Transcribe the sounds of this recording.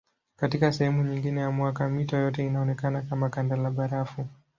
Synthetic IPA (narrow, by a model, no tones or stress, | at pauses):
katikasɛhɛmuɲiŋɡinɛjamwakamitajɔtɛinaɔnɛkanakamakandalaɓaɾafu